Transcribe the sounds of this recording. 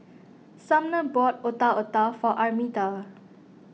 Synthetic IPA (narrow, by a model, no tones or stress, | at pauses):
sãmnəbɔt̚otaotafɔʔamita